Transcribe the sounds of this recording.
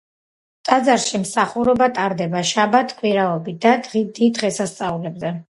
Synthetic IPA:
t̪ʼad̪zaɾʃimsaχuɾɔbat̪ʼaɾd̪ɛbaʃabat̪ʰkʼwiɾaɔbid̪ad̪ʁid̪id̪ʁɛsast̪sʼaulɛbzɛ

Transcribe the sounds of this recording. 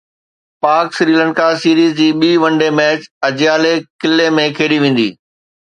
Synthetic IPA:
paːɾksɾiːlə̃ɳɖkasiːɾiːzd͡ʑiːɓiːʋɐ̃ɳɖemɛːt͡ɕɐd͡ʑjaːlekɪlːemẽkʰeːɽiʋẽːn̆d̪ḭː

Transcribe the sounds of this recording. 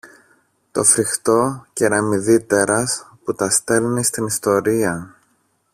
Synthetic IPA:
t̪o̞̰fɾixt̪o̞ceɾɐmiðit̪e̞ɾɐsput̪ɐst̪e̞lnist̪inist̪o̞ɾiɐ

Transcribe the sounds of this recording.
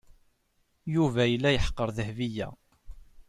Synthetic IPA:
juvæjəlːæjəħə̥qːəɾˤðəhvijæ̰

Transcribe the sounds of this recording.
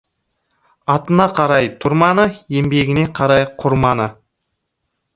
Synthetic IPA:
ɑt̪ənɑqʰɑɾɑjt̪ʰʊɾmɑnəje̞mbeɡʲɪne̞qʰɑɾɑjqʰʊɾmɑnə

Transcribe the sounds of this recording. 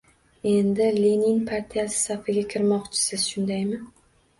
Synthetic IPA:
e̞nd̪ɪlinɪŋpʰaɾt̪ʰijasɪ̥safɪɡʲakʲʰɪɾmɒqt͡ʃʰɪ̥sɪz̥ʃʊnd̪ajmɪ

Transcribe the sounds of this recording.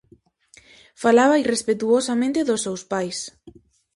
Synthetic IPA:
falaβairespet̪uosamẽnt̪eðʊsːewspajs

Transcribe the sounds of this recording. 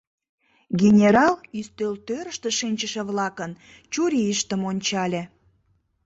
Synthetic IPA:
ɡʲenʲeɾɑlyst̪ølt̪øɾəʃt̪əʃinʲt͡ɕəʃĕβlɑkən | t͡ɕuɾʲiəʃt̪əmonʲt͡ɕɑlʲe

